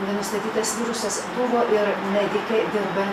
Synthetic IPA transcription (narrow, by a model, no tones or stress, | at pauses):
nʲɛnʊst̪ɐt̪ʲiːt̪ɐsʋʲiːɾʊsɐsbʊʋoːʔɪɾmʲɛd̪ʲɪkʲɛɪd̪ʲeːlbɐ